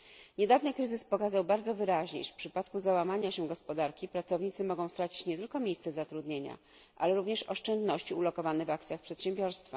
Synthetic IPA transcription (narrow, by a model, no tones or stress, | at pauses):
ɲɛd̪avnɘkɾɘzɘspɔkazawbaɾd̪zɔvɘɾaʑɲḛfpʂɘpat̪kuzawamaɲaɕɛɡɔspɔd̪aɾkʲipɾat̪sɔvɲit̪sɘmɔɡɔ̃w̃st̪ɾat͡ɕi̥t͡ɕɲɛt̪ɘlkɔmʲejst̪sɛzat̪ɾud̪ɲeɲa̰ | ʔa̰lɛɾuvɲɛʂɔʂt͡ʂɛnd̪nɔɕt͡ɕiulɔkɔvanɛvakt̪sʲjaxpʂɛt̪ɕɛ̃mbʲjɔɾst̪fa